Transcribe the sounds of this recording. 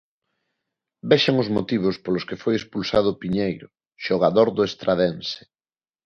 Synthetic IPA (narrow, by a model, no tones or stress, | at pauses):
beʃaŋʊzmot̪iβ̞ʊspolʊskefojespulsað̞ʊpiɲejɾʊ | ʃoɣ̞aðoɾðʊest̪ɾaðensɪ̥